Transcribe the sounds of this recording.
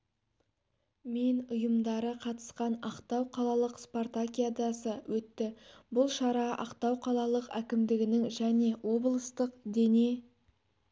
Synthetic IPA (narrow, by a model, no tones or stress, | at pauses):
me̞nʊjəmd̪ɑɾəqʰɑt̪ə̥sqɑnɑqt̪ɑwqʰɑlˠɑlˠəqsport̪akʲijad̪ɑsəwʔɵt̪ːɪbʊlˠʃɑɾɑʔɑ̰qt̪ɑwqʰɑlˠɑlˠəqækʲɪmd̪ɪɡʲɪnɪŋʒæne̞wo̞blˠəst̪əqd̪e̞ne̞